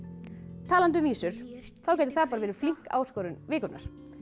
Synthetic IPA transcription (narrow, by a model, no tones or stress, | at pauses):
t̪ʰaːlant̪ʏviːsʏɾ̥θawcaɛjt̪ɪ̥θaðpaɾavɛːɾɪ̥fliŋ̥ka̰ːwskowɾʏnvɪːkʏɾna̰ɾ̥